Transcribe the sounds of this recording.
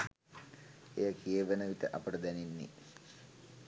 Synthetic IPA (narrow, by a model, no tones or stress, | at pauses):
ejɐkeːʋɐnɐʋit̪ɐʔɐpɐɽɐd̪ɐninːḭ